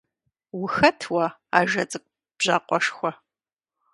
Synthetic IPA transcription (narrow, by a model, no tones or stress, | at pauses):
wʊxɐtʰwɐaːʒɐt͡sʼɨkʷʼ | b̥ʑaːqʷɔʂxʷɔ